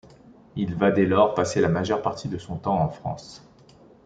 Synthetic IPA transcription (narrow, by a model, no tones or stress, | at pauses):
ilvad̪elɔʁpaselamaʒœʁpaʁt̪ʰid̪əsɔ̃t̪ɑ̃ɑ̃fχɑ̰̃s